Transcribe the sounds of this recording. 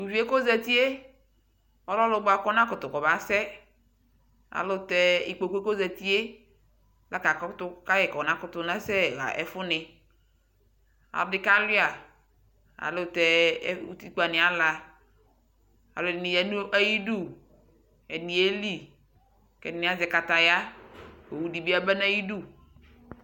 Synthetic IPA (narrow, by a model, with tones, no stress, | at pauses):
u˨vi˦e˦ko˦zɛ˨t̪i˦e˦ | ɔ˦lɔ˦lʊ˨ɡ͡ba˨kɔ˦nã˦kʊ˨t̪ʊ˨kɔ˨ba˨sɛ˦ | a̰˨lo˦˨t̪ɛ˦i˨k͡po˨kko˦zɛ˨t̪i˦e˦ | la˦ka˨kɔ˦t̪ʊ˦ka˦jɛ˨kɔ˨nã˦kʊ˦t̪ʊ˨nã˦sɛ˦˨ɣa̰˨ʔɛ˨fʊ˦nɪ˨ | a̰˨ldɪ˦ka˦lʊ˦a˨ | a̰˨lʊ˦˨t̪ɛ˨˦ṵ˦t̪i˦k͡pa˨nɪ̃˨a˦la˨ | a̰˨lʊ˨˦˨ɪ˨nɪ̃˨jɛ˨nũ˦ʔa˦ji˦du˦ | ɛ˨nĩ˨e˦li˦ | kɛ˨nɪ̃˨˦a˦zɛ˨ka˨t̪a˨ja˦ko˨wu˦di˨bi˦a˦bɛ˦na˦ji˦du˦˨